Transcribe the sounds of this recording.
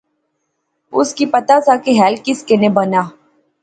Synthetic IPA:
ʊskipət̪asakeɦɛːlkɪskenebənaː

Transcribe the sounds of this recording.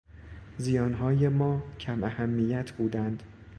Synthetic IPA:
zijɒːnɦɒːjemɒːcʰæmæhæmːijæt̪ʰbuːd̪ænd̪̥

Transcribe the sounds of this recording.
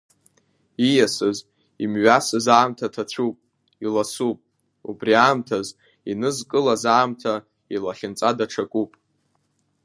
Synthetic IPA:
ijasɨz | imɥasɨzaːmtʰatʰat͡ɕʷʰupʼ | ilasupʼ | ubriaːmtʰaz | inɨzkʼɨlazaːmtʰa | ilaχʲɪnt͡sʼadaʈ͡ʂʰakʼupʼ

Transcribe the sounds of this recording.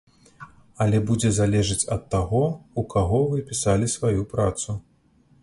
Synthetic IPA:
ɐlʲɛbud͡zʲɛzalʲɛʐɨt͡sʲɐt̪ːaɣɔukaɣɔvɨpʲisalʲisvajupɾat̪su

